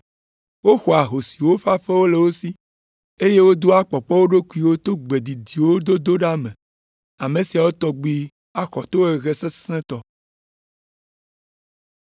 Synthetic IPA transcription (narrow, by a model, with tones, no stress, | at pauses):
wo˦xɔ˨a˨ɦo˨si˨wo˦ɸa˦ɸe˦wo˦le˨wo˦si˦ | e˦je˦wo˦d̪o˦a˦k͡pɔ˨k͡pɔ˦wo˦ɖo˦ku˦i˦wo˦t̪o˦ɡ͡be˨d̪i˨d̪i˨wo˦d̪o˦d̪o˦ɖa˦mẽ˨ | a˨mẽ˨si˨a˨wo˦t̪ɔ˦ɡ͡bi˦ | a˦xɔ˨t̪o˦e˨ɣe˦se˦sɛ̃˦t̪ɔ˦˨